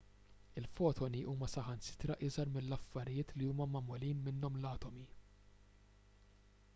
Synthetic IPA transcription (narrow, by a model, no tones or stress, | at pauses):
ɪlfɔːt̪ʰɔniʔuːmɐsɐħɐnsɪ̥t̪ɾɐʔɪzɐɾmɪlːɐfːɐɾɪjɪːt̪liuːmɐmɐmːʊliːnmɪnːɔmlɐːt̪ɔmi